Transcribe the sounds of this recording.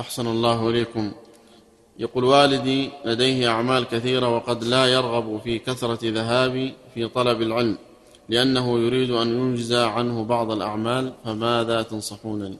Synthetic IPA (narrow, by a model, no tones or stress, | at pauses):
ʔaħsanalˤːɑːɦʔɪleːkʊm | jaquːlwaːlɪd̪iːlad̪ajhɪʔaʕmaːlkaθiːɾawɑqɑd̪laːjɑɾˤɣɑbfiːkaθɾˤɑðaɦaːbifiːt̪ˤɑlɑbalʕɪlm | lɪʔanːaɦʊjʊɾiːd̪ʔanjʊnd͡ʒɪzaʕanhʊbɑʕd̪ˤalʔa̰ʕmaːlfamaːðaːt̪ɑnsˤɑħuːnal